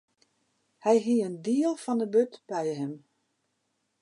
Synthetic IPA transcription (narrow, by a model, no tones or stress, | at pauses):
hɛjɦiəndiəlˠfɔndəbøtb̥ɛjɦɪm